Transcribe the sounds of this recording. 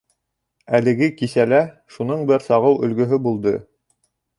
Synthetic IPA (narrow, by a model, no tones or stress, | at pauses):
ælɘ̆ɡɘkisælæ | ʃunɤɴbɘɾsɑʁɤwɵ̆lɡɵ̆ɦɵbulˠd̪ɤ